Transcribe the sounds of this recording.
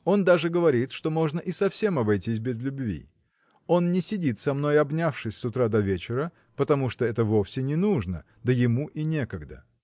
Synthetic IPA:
o̞nd̪aʐɨɡəvɐɾʲit̪ʂt̪o̞mo̞ʐnəʔɪsɐfsʲe̞mɐbɐjtʲis̬ʲbʲɪzlʲʊbvʲḭ | o̞nnʲɪsʲɪdʲit̪sɐmno̞jɐbnʲafʂɨsʲsʊt̪ɾad̪ɐvʲet͡ɕɪɾə | pət̪ɐmuʂt̪oɛt̪əvo̞fsʲɪnʲɪnuʐnə̰ | d̪əjɪmuʔinʲe̞kəɡd̪ə̰

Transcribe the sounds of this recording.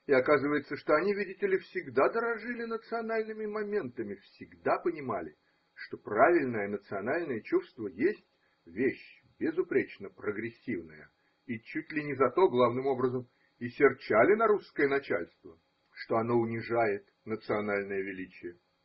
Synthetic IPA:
ɪɐkazɨvəjɪt̪səʂt̪o̞ɐnʲivʲidʲɪtʲɪlʲɪfsʲɪɡd̪ad̪əɾɐʐɨlʲɪnət̪sɨɐnalʲnɨmʲɪmɐmʲe̞nt̪əmʲɪfsʲɪɡd̪apənʲɪmalʲɪ | ʂt̪o̞pravʲɪlʲnəjənət̪sɨɐnalʲnəjət͡ɕuʂst̪vəjesʲtʲ | vʲeɕ | bʲɪzʊpɾʲet͡ɕnəpɾəɡɾʲɪsʲːivnəjə̰ | it͡ɕutʲlʲɪnʲɪzɐt̪o̞ɡlˠavnɨmo̞bɾəzəm | ɪsʲɪrt͡ɕalʲɪnɐɾuskəjənɐt͡ɕa̰lʲst̪və | ʂt̪o̞ɐno̞ʊnʲɪʐajɪt̪ | nət̪sɨɐnalʲnəjəvʲɪlʲit͡ɕɪjə

